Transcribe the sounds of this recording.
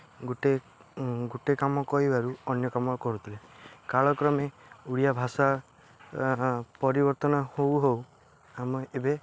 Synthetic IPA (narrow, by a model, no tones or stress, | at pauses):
ɡuʈe | ɡuʈekamɔkɔɦibaɾuɔnjɔkamɔkɔɾut̪ʰilekaɭɔkɾɔmeuɽijabʱasa | pɔɾibɔɾt̪ɔnɔhowɦow | amɔebe